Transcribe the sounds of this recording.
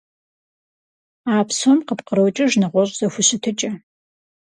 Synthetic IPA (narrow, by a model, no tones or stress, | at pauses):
aːpʰsomqəpqəɾowt͡ʃʼɪʒnɨʁʷɔɕʼz̥ɐxʷʊɕɪtʰɨt͡ʃʼɐ